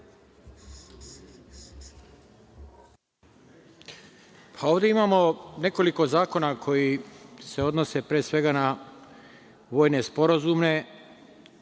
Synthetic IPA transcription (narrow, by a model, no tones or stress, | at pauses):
pʰao̞ːʋd̪e̞imaːmo̞ne̞ko̞liko̞zaːko̞nakʰo̞jise̞o̞d̪no̞se̞pɾeːsʋe̞ɡana | ʋo̞ːjne̞spo̞ɾazumne̞